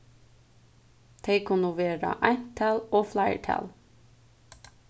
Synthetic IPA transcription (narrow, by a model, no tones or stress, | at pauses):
t̪ʰeɪkʰʊnʊʋeːɾɑ̰ʔæɪt̪ʰæloːflæɪə̰ʈʰæ̰l